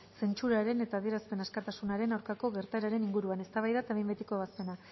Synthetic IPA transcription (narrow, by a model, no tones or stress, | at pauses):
se̞nt͡ʃuɾaɾe̞ne̞t̪aːðie̞ɾaspe̞naskat̪asunaɾe̞nawɾkako̞ɣe̞ɾt̪aeɾaɾe̞niŋɡuɾuane̞st̪aβajðat̪aβembe̞t̪iko̞βaspe̞na